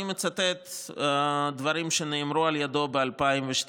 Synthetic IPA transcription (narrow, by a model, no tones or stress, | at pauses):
met͡sat̪et̪ | d̪vaɾimʃeneːmɾualjad̪o̞bealpaimveʃt̪